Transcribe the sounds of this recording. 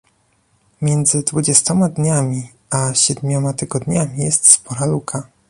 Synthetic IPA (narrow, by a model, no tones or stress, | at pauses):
mʲjɛnd̪zɘd̪vud͡ʑɛst̪ɔmad̪ɲamʲi | aɕɛd̪mʲɔmat̪ɘɡɔd̪ɲamʲijɛst̪spɔɾalukʰa